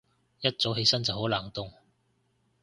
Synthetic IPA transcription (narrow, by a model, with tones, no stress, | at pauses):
jɐ˥t̚t͡so˨˥wɦe˧jsɐ˥nt͡sɐ˨who˨˥wlaː˨˩ŋt̪ʊ˨˧ŋ